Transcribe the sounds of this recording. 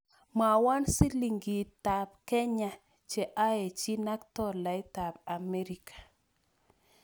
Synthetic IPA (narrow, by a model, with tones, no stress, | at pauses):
ma˨wa˦nsi˦li˨ŋɡi˨ta˨p̚ke˦ɲa˨ | t͡ʃe˨ʔa˦e˨t͡ʃi˦na˦kt̪ɔ˦la˨i˦ta˨ba˨me˦ɾi˨kʰḁ˨